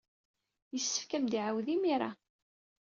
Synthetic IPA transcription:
jəsːə̥fkæmd̪iʕawðimiɾˤa̰

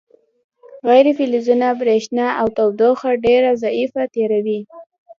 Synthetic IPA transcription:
ɣajɾefilizunabɾeʃnaawt̪awd̪oxaɖeɾazaifat̪eɾawi

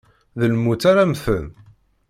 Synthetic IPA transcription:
ðəlmut͡sːaɾamθən

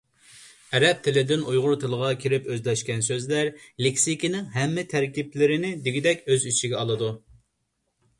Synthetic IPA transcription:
ɛɾɛp̚t̪ʰɪlɪd̪ɪnujʁʊɾt̪ʰɨlˠəʁɑkʲʰiɾɪpøzlɛʃkʲɛns̬øzlæɾlekʲsikʲinɪŋɦɛmːɪt̪ʰæɾkʲiplɪɾɪnɪd̪ɪɡʲid̪ɛkʲøzyt͡ʃʰiɡʲɛɑlˠɨd̪u

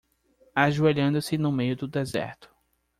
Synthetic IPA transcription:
aʒueʎɐ̃nd̪ʊsɪnʊmejʊd̪ʊd̪ezɛ̰ɾt̪ʊ̥

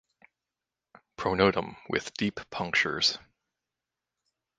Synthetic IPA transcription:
pʰɹ̥oʊnoʊɾə̃mwɪ̰ðd̥ippʰʌ̃ŋk̚t͡ʃə̰˞z̥

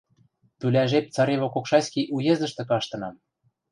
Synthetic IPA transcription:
t̪ylʲæʒep̚t͡sɑɾeβokokʃɑskʲiʔujezɤ̆ʃt̪ɤ̆kɑʃt̪ɤ̆nɑm

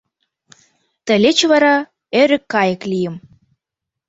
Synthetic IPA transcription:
t̪ə̆lʲet͡ɕβɑɾɑ | øɾə̆kːɑjə̆klijə̆m

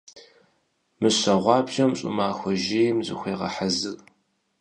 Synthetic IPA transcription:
mɨɕɐʁʷɑːbʒɐmɕʼʊ̰maːxʷɔʒiːjmzɨ̰xʷeːʁɐ̰ħazɨr

